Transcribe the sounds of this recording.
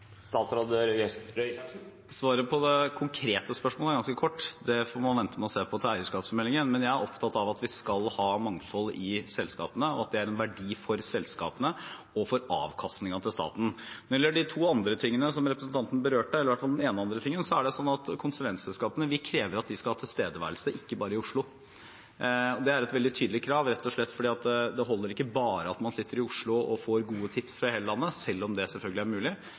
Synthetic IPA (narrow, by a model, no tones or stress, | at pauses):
st̪ɑːt̪sɾɑd̪øːɾjɛɾ | sʋɑːɾəpʰɔd̪ɛkʰʊŋkʰɾeːt̪əspœʂmoːlæɾɡɑnskəkʰɔʈːd̪ɛfɔɾmɑnʋɛnt̪əmɛɔseːpʰɔt̪ʰɪlæɪəʂkɑːpsfɔɾmɛlɪŋənmɛnjæɪæɾʔɔpt̪ʰɑt̪ːɑʋɑt̪ʋɪskɑlhɑːmɑŋfɔlːɪsɛlskɑ̰ːpənəɔɑt̪̚d̪ɛæɾɛnʋæɖiːfɔɾsɛlskɑ̰ːpənə | ɔfɔɾɑ̰ːʋkʰɑst̪nɪŋɑt̪ʰɪlst̪ɑ̰ːt̪n̩njɛlːəɖɪt̪ʰuːɑnd̪ɾət̪ʰɪŋːənəsɔmɾɛpɾəsn̩t̪ɑnt̪ənəbəɾøːʈəɛlːɾʋæʈfɑld̪ɛneːnəɑnd̪ɾət̪ʰɪŋːənsɔæɖɛsɔnːɑt̪kʰʊnsəʋɛnt̪sɛlskɑːpənəʋɪkʰɾeːʋəɾɑt̪̚d̪ɪskɑlhɑːt̪ʰɪlst̪eːd̪əʋæ̰ɾlsəʔɪkːəbɑːɾəɪʊʂɭʊ | ɔd̪ɛæɾɛt̪ʋɛld̪ɪt̪ʰyːd̪l̩ɪkʰɾɑːʋɾɛt̪ːɔʂɭɛt̪ːfɔɖiːɑt̪̚dd̪ɛɦɔlːəɾɪkːəbɑːɾəɑt̪mɑnsɪt̪ːəɾɪʊʂɭʊɔ̰foːɾɡuːət̪ʰɪpsfɾɑheːləlɑnːəsɛlːɔmd̪ɛsɛlfœlɡəlɪæɾmʉːlɪ